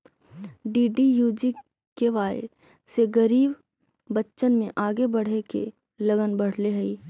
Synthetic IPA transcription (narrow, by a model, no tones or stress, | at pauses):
ɖiːɖijuːd͡ʒi | keʋaːɪ | seɡɐɾiːbː | ɐtːʃənmẽʔaːɡebɐɽ̤ekḛ | lɐɡənbɐɽ̤leɦɛiː